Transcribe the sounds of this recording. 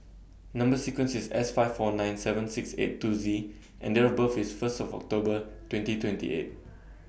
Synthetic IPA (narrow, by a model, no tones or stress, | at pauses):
nʌ̃mbəsikwə̃nsisɛ̰sfaɪffɔnãɪ̃nsɛvə̃nsiksḛtːuzi | ʔɛ̃ndɛɹəbəfisfəstɔvɔ̰k̚tobətwɛ̃ntitʰwɛ̃ntḭʔḛt̚